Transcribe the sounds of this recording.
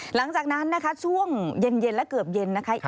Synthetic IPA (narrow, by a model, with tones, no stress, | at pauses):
la˩˦ŋt͡ɕaː˨˩k̚na˦˥nːa˦˥kʰa˦˥sʰu˧˥˩əŋje˧nje˧nlɛ˦˥kɤ˨˩əp̚je˧nːa˦˥kʰa˦˥ʔ